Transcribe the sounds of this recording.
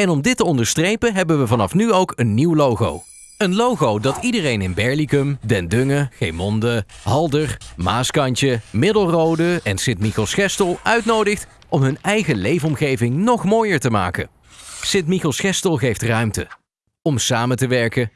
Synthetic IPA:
ɛnɔmdɪtəɔndəɹstrejpənɦɛbənʋəvɑnɑfnyowkənːiwlowχo̰w | ənlowχowdɑtidərejnɪnbɛɹlikəmdɛndøŋəχejmɔndəɦɑlˠdərmaːskɑnt͡ʃəmɪdəlˠrowdəɛnsɪntmixɔlˠsχɛstəlˠœɥtnowdəχt | ɔmɦɵnɛjχəlejvəɔmχejvɪŋnɔχmoːjəɹtəma̰ːkə̰ | sɪntmixɔlˠsχɛstəlˠɣejftrœɥmtə | ɔmsaːməntəʋɛɹkə

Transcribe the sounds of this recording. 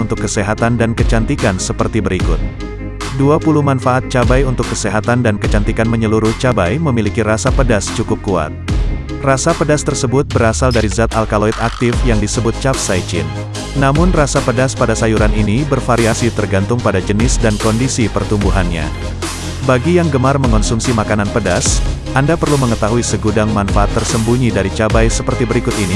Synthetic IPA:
unt̪ʊkːəseɦat̪andankət͡ʃant̪ikansəpərt̪ibəɾikʊt̪̚ | duapulumanfaːt̪̚t͡ʃabajunt̪ʊkːəseɦat̪andankət͡ʃant̪ikanməɲəluɾʊht͡ʃabajməmilikiɾasapədast͡ʃukʊp̚kua̰t̪̚ | rasapədast̪ərsəbʊt̪̚bəɾasaldaɾizat̪alkaloit̪ak̚t̪ɪfjaŋdisəbʊt̪̚t͡ʃap̚sajt͡ʃɪ̰nː | amʊnrasapədaspadasajuɾaninibərfaɾiasit̪ərɡant̪ʊŋpadad͡ʒənɪsdankɔndisipərt̪umbuɦanɲa̰ | baɡijaŋɡəmarməŋɔnsumsimakananpədas | ʔandapərluməŋət̪aɦuisəɡudaŋmanfaʔat̪ːərsəmbuɲidaɾit͡ʃabajsəpərt̪ibəɾikʊt̪ini

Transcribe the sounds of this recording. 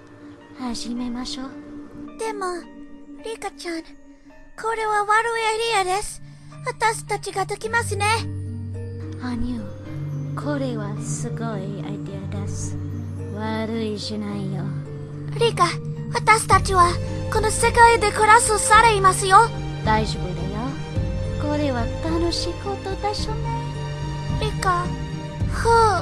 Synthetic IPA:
haʑime̞maɕod̪̥emoɾikat͡ʃan | kʰoɾe̞βawaɾɯiaid̪iad̪esɨ̥ | wat̪asi̥t̪at͡ʃiɡad̪ekʲimasɨne | aɲiokʰoɾeβasɨɡoia̰id̪ead̪esɨ̥ | βaɾɯiɕinaijo | ɾika | βat̪aɕi̥t̪at͡ɕiβa | ko̞no̞se̞kaid̪e̞kɯ̟ɾasɨsaɾeimasɨjo̞ | d̪̥aiʑobɯd̪ajo | ko̞ɾe̞βat̪ano̞ɕiːko̞t̪o̞d̪aɕone | ɾika | hɯ

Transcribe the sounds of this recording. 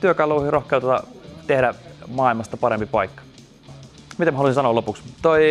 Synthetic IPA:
t̪yøkɑluːhirohkeut̪ɑt̪ɑ̰t̪ehɾæmɑːilmɑst̪ɑpɑɾempipɑikːɑ̥ | mit̪æmæhɑlusinsɑnoːlopukst̪oi

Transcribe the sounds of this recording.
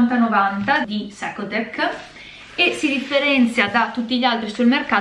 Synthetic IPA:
nt̪anovant̪ad̪isakod̪ekː | esid̪ifːeɾɛnt̪sjad̪at̪ːut̪ːiʎialt̪ɾisulmerkaː

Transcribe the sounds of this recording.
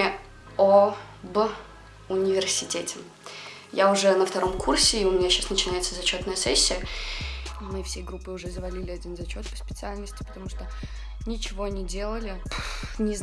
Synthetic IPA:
o | b | ʊnʲɪvʲɪrsʲɪtʲetʲɪ | jaʊʐɛnəft̪ɐɾo̞mkʰursʲɪːʊmʲɪnʲaɕːasnət͡ɕɪnajɪt̪səzɐt͡ɕo̞t̪nəjəsɛsʲːɪjə | mɨfsʲejɡɾupːɨʊʐɛzəvɐlʲilʲɪɐdʲinzɐt͡ɕo̞t̪pə̥spʲɪt̪sɨalʲnəsʲtʲɪ̥pə̥t̪ɐmuʂt̪o | nʲɪt͡ɕɪvo̞ɐnʲidʲe̞lˠəlʲɪnʲɪz

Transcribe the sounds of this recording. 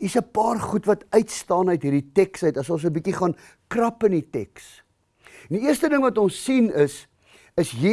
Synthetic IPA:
isəpɑːrχutvɐtœɥtstɑːnɦəjtɦiːrditɛksəjtɐsõns̬əbikiχɑːn | krɐpənitɛks | ndiiərstədəŋvɐtɔnsːinəs | əsji

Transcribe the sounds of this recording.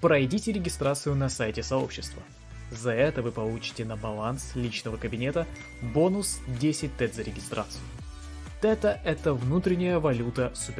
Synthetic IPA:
pɾɐjdʲitʲɪɾʲɪɡʲɪst̪ɾat̪sɨjʊnɐsajtʲɪsɐo̞pɕːɪst̪və̰ | zɐɛt̪əvɨpɐlˠut͡ɕɪ̥tʲɪnəbɐlˠanslʲit͡ɕnəvəkəbʲɪnʲet̪ə | bo̞nʊsdʲesʲɪt̚ʲt̪ɛt̪zəɾʲɪɡʲɪst̪ɾʔa̰t̪sɨjʊ | t̪ɛt̪əʔɛt̪əvnut̪ɾʲɪnʲɪjəvɐlʲut̪əsʊpʲ

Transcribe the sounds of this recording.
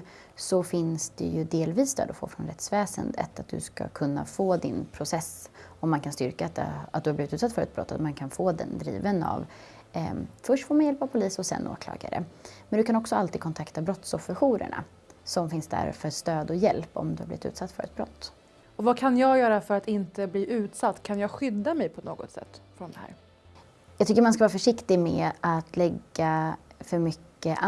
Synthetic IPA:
sɔfɪnsd̪ɛjɵd̪eːlviːsd̪ø̰ːd̪ɔfo̰ːfɾɔnɾɛt̪svɛːsə̰nd̪ə̰t̪at̪̚d̪ɵ̰ska̰kʰɵnːa̰foːd̪ɪnpʰɾʊsɛsɔmːankʰanst̪ʏɾkat̪at̪̚d̪ɵhabliːvɪt̪ʉt̪sat̪ːfœɾɛt̪bɾɔ̰t̪ːat̪mankʰanfoːd̪ɛ̰nd̪ɾḭːvəna̰v | fœʂʈfoːɾmanjɛlpavpʰʊliːsɔsɛ̰nʔo̰ːkʰlɑ̰ːɡa̰ɾə̰mɛnd̪ɵ̟kʰanɔksɔalt̪iːd̪kʰɔnt̪ʰakt̪abɾɔt̪sɔfɛɧuːɾə̰ɳa̰ | sɔmfɪnsd̪æ̰ɾfœʂt̪øːd̪ɔjɛlpɔ̰md̪ɵhablɪvɪt̪ʉ̰ːt̪sat̪ːfœɾɛ̰t̪̚bɾɔ̰t̪ː | ɔvakʰanjɑːɡjœːɾafœɾat̪ɪnt̪əbliːʔʉ̟ːt̪sat̪ːkʰanjɑːɡɧʏd̪ːamɛjpʰɔno̰ːɡɔt̪sɛ̰t̪ːfɾɔnd̪ɛhæ̰ːɾ | jɑɡt̪ʰʏkːəɾmanskavɑːɾafœʂɪkt̪ɪmɛːat̪lɛɡːafœɾmʏkːəʔ

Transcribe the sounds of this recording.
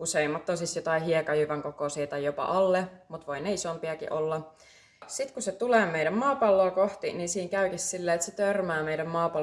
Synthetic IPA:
useimːɑt̪ːoˑsist̪jot̪ɑiɦiekɑjyʋæŋkokosiːt̪ɑjjopɑ̰ʔɑlːemut̪ʋoineisompiækḭʔolːɑ | sit̪kuset̪uleːmejɾæmmɑːpɑlːoːkoht̪ininsiːŋkæykissilːeːt̪set̪ørmæːmeiɾæmmɑːpɑ

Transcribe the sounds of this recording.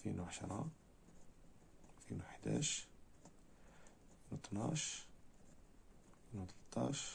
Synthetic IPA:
finuʕaʃɾˤɑ | finuħd̪æ̰ʃ | finut̪nɑʃ | inut̪lət̪ˤːɑ̰ʃ

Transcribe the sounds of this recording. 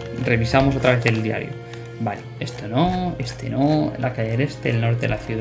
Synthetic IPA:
re̞βisamos̬ot̪ɾaβe̞θe̞ld̪ia̰ɾjo̰ | balee̞st̪onoest̪ḛnolʔakaʝele̞st̪elno̞ɾt̪̬eelaθjuð

